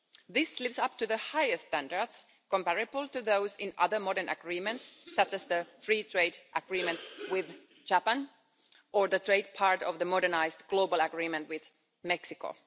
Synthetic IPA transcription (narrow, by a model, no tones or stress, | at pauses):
ðɪslɪpsʌp̚tɨðəhaɪɨstæ̃ndəɹds | kə̃mpæɹɨbl̩ˠtɨðoʊsɪ̃nʔʌ̰ðə˞mɔɾənʔə̰ɡɹiːmə̃ntsːʌt͡ʃæsðəfɹiːtʰɹeɪdʔəɡ̥ɹĩːmɨ̃ntwɪð | d͡ʒæpə̃n | ʔə˞ðətʰɹ̥eɪd̚pʰɑɹtɔvðəmɔɾənaɪsdɡ̥loʊbəlˠəɡɹĩːmə̃ntwɪð | mɛksɪko̰